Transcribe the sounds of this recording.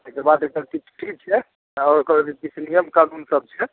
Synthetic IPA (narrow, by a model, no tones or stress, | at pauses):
ekebad̪eʈəɾkit͡ʃʰʈʰit͡ʃʰɛ | ɔːɾkəɾd̪ikit͡ʃʰnijəmkanunsəb̚t͡ʃʰɛ